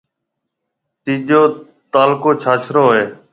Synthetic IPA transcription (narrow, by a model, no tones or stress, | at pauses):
t̪iːʄoː | t̪aːlkoːt͡ʃʰaːt͡ʃʰɾoːɦeː